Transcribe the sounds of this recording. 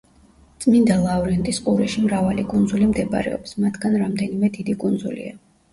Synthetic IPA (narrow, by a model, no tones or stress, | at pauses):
t̪sʼmind̪alˠauɾiɛnt̪ʼisqʼuɾɛʃimɾavalikʼund̪zulimd̪ɛb̰ɾɛ̰ɔ̰psmat̪ʰɡ̥anɾamd̪ɛnimɛd̪id̪ikʼund̪zṵlḭa